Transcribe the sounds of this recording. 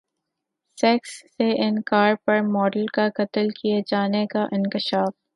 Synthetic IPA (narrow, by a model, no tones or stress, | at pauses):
sɛksːeʔɪnkaːɾpɐɾmɔːɖəlkakɐt̪əlkijad͡ʒaːnekaʔɪ̃nkɪʃaːf